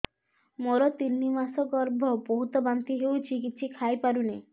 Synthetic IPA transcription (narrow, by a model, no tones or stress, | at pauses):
moɾɔt̪inːimasɔɡɔɾbʱɔbɔɦut̪ɔbant̪iɦewt͡ʃikit̪ːsʰikʰajpaɾune